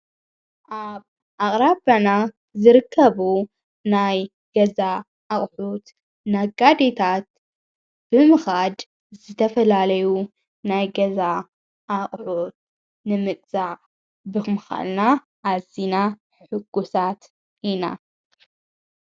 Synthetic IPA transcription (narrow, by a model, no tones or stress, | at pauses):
ʔaβ | ʔaχʼɾabana | zɨɾɨkʰːɐβu | naj | ɡ̥ɐza | ʔːχʼħut̪ | naɡad̪et̪ʰat̪̚ | b̥ɨmɨxad̪ | zɨt̪ʰɐfɐlalɐju | najɡɐza | ʔaχʼʕut̪̚ | nɨmɨkʼzaʕ | bɨmɨxa̰lna | ʔazinaħħɨɡ̥ːusat̪ | ʔina̰